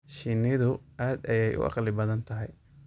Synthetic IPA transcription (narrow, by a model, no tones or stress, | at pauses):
ʃinɪðʊʔaːd̪ɐjɛjʔʊ̰ʔɑ̰qlɪbɐðɐnt̪ʰɐɦɛj